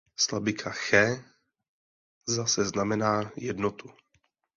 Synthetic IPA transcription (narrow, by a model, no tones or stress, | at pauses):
slabɪkʰaxɛː | zasɛznamɛnaːjɛdnot̪u